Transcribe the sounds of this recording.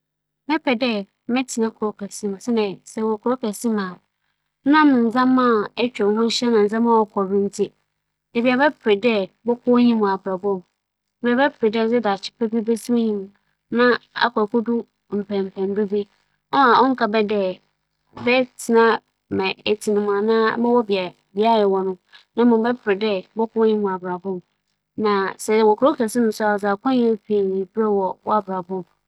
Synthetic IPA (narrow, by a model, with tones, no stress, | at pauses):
mɛ̃˦pʰɛ˨dɛ˦ | mɛ̃˦tʰɪ˨nã˦kʰʊ˨ɾo˦kʰɛ˨si˦m̃˨sɛ˦nɛ̃˨sɛ˨wɔ˨kʊ˨˦o˦kɛ˨sĩ˦mã˨˦ | nã˦m˨n̩˨zã˦mː˦ã˦˨ɛ˦t͡ɕᶣɛ˨hʊ̃˦n̩˦ɕɛ˦nã˨n̩˨d͡zã˦mã˦wɔ˨˦kʰɔ˨ɾĩ˦n̩˦tʰi˦ | dɛ˨bi˨a˨bɛ˦pʰɾɪ˨dɛ˦bɔ˦kʰɔ˦ɲĩ˦mũ˨a˨pʰɾa˨bɔ˦˨ | e˨bi˨a˨bɛ˦pʰɾɪ˨dɛ˦d͡zɛ˦da˨t͡ɕʰɪ̥˦pʰɛ˦bi˦be˦si˦ɲĩ˦m̃˨ | nã˦a̰˨kʰɔ˨ko˦dʊ˦ | m̩˨pʰɛ̃˨m̩˨pʰɛ̃˨m˦bi˦be˦ | ɔ˦a˨ɔ˦ŋ̩˦kʰa˨bɛ˦dɛ˦ | bɛ˦tʰɪ˨nã˦ | mɛ̃˨e˨tʰi˨nɪ̃˨m̃˨a˨nãː˦bɛ̃˦wɔ˦bi˨a˨ | bi˨˦a˦˨jɛ˨wɔ˨nʊ̃˦nã˦mʊ̃˨˦bɛ˦pʰɪ˨ɾɪ˨dɛ˦bɔ˦kʊ˦ɲĩ˦mʊ̃˨a˨bɾa˨bɔ̃˦˨m | nã˨sɛ˨˦˨wɔ˨kʰʊ˦ɾo˦kʰɛ˨sɪ˦nʊ̃˦sʊ˦a˨za˨kʰɔ̃˦ɲɛ̃˦pʰi˨e˨nĩ˨bɾɛ˦wɔ˨wɔ˦a˨bɾa˨bɔ̃˦˨m